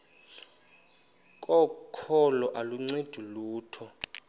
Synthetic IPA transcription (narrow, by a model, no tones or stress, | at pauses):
kʼɔkʰɔlɔʔaluŋ͡ǀed̥ʱuluːtʰɔ